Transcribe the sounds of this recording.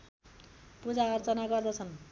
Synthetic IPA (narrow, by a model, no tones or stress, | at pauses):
pud͡zaʌrt͡sʌnaɡʌrd̪ʌt͡sʰʌn